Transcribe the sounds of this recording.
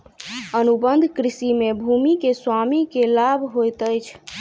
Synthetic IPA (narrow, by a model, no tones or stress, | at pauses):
ənubənd̪ʱkɾisimebʱumikeswamikelabʱɦojt̪əjt͡ʃʰ